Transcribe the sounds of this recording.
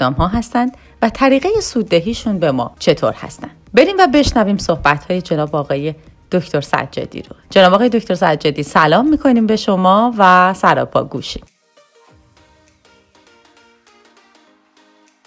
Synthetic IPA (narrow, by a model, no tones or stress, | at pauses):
ɒːmɦɒːɦæst̪ænd̪ | væt̪ʰæɾiːɣejesuːd̪ːeɦiːʃunbe̞mɒ̰ːt͡ʃʰe̞t̪ʰo̰ɾhæ̰st̪ænd̪̥be̞ɾiːmvæbe̞ʃnæviːmso̞hbæt̪ʰhɒːje̞d͡ʒe̞nɒːbɒːɣɒːje̞ | d̪̥oct̪ʰo̞ɾsæ̰̥d͡ʒɒ̰ːd̪ḭːɾo̞d͡ʒe̞nɒːbɒːɣɒːje̞d̪o̞cʰt̪o̞ɾsæd̪d͡ʒɒːd̪iːsælɒːmːiːkʰo̞niːmbeʃo̞mɒːvæsæɾɒ̰ːpʰɒ̰ːɡuːʃim